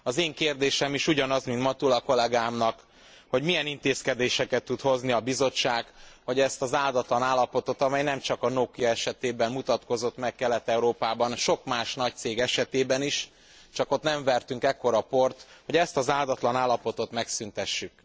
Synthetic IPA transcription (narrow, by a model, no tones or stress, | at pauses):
ɒzeːŋkeːrd̪eːʃɛmiʃuɟɒnɒzmint̪mɒt̪ulɒko̞lɛɡaːmnɒk | ho̞ɟmijɛnint̪eːskɛd̪eːʃɛkɛt̪ːut̪ho̞zniɒbizo̞t͡ʃːaːɡhɒɟɛst̪ɒzaːld̪ɒt̪lɒnaːlːɒpo̞t̪o̞t̪ɒmɛjnɛmt͡ʃɒkɒnoːkijɒɛʃɛt̪eːbɛmmut̪ɒt̪ko̞zo̞t̪mɛkːɛlːɛt̪ːɛuɾoːpaːbɒnʃo̞kmaːʃnɒc̚t̪seːɡɛʃɛt̪eːbɛniʃ | t͡ʃɒko̞t̪nɛɱvɛrt̪yŋkɛkːo̞ɾɒpo̞rt̪ho̞ɟɛst̪ɒzaːld̪ɒt̪lɒnaːlːɒpo̞t̪o̞t̪mɛksynt̪ɛʃːyk